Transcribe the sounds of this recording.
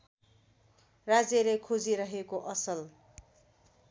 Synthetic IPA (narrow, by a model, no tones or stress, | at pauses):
rad͡zelekʰod͡ziɾʌɦekoʔʌsʌl